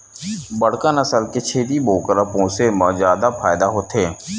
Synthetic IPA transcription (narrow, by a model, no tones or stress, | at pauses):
bəɽ̤kanəsəlket͡ʃʰeːd̪ibʱoːkəɾəpõːsemãzjaːd̪afʰaːjd̪aɦoːt̪eː